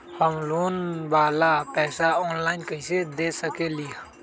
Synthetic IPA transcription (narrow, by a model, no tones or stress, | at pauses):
həmloːnbaːlapɛːsaɔːnlaːɪnkəised̪esəkelija